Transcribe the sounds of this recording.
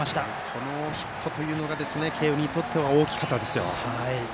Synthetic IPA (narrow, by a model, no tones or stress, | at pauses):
aɕi̥t̪a | kʰo̞no̞çi̥t̪ʰːo̞t̪o̞jɯ̟ːno̞ɡad̪e̞sɨne̞kʰe̞ːɯɲ̟it̪o̞t̪ʰːe̞βao̞ːkʲi̥kat̪ːad̪e̞sɨjo̞̰hai